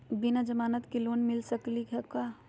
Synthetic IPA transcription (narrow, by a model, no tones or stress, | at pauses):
binad͡ʒɐmaːnət̪kiloːnmɪlsɐklikɛkaː